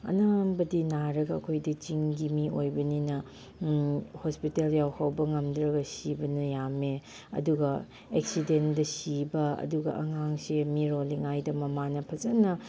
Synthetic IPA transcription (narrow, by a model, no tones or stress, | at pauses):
ɐ̰nambɐdinaɾɐɡɐːkʰojdɐt͡ʃiŋɡimiojbɐninɐ | hospiteljawhawbɐŋɐmdɾɐɡɐsibɐnɐjame | ɐ̰duɡɐ | ek̚sidendɐsibɐɐ̰duɡɐ̰ʔɐ̰ŋaŋsemiɾoliŋajdɐmɐmanɐpʰɐzɐnɐ